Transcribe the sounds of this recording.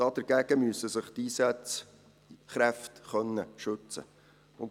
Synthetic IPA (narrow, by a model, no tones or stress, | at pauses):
ɑd̥̪əɾɡ̥æɡ̥əmyəsːəsəχt̪iːsæt͡s | χɾæftχœnːəʃɵt͡sə̰ | ʊn